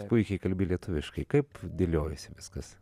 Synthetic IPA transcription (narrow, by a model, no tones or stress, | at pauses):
pʊɪkʲɛɪkɐlʲbʲɪlʲiɛt̪ʊʋʲɪʃkɐɪkɐɪpd̪ʲɪlʲoːjʊsʲɪʋʲɪskɐs